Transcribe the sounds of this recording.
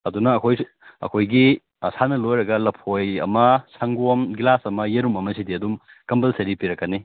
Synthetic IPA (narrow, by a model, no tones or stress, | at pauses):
ɐdunɐːkʰoj | ɐ̰kʰojɡi | sanɐlojɾɐɡɐlɐpʰojɐ̰mɐsɐŋɡuɐmɡilasɐmɐjeɾumɐmɐsidiɐdum | kɐmbɐlsɐɾipiɾɐkːɐni